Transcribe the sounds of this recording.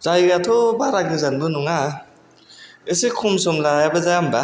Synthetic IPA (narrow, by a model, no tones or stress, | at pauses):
zajɡatʰɔbaɾaɡɯzanbɯnuŋa | esekʰumsɔmlajabazaamba